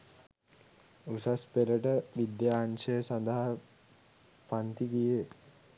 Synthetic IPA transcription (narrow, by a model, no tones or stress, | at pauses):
usaspeləʈəʋid̪jaːnʃəjsand̪əɦa | pant̪iɡije